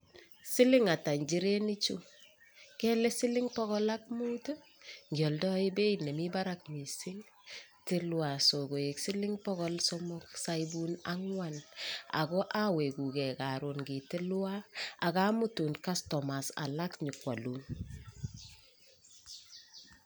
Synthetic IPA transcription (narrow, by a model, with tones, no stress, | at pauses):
sɪ˦lɪ˦ŋa˨ta˨ɲd͡ʒi˦ɾe˦nɪ˦t͡ʃu˦ | kɛ˦lɛ˦sɪ˦lɪ˦ŋpɔ˦ɣɔ˦la˦k̚muː˦to˦ | ŋɡjɔ˨ldɔ˦i˦be˦inɛ˨mi˦ba˦ɾak̚mi˨sɪ˦ŋ | tɪ˦lwa˨so˨ɡo˨e˨ksɪ˦lɪ˦ŋpɔɡɔlsɔmɔ˦ksa˦jbu˦na˦ŋwa˨na̰˨ɡɔ˦ʔa˦we˨ku˨kɛ˨ka˨ɾonɡi˨tɪ˦lwa˦a˨ka˦mʊ˦tu˨nka˦stɔma˨sa̰˨la˦kɲi˨kwa˨lu˨n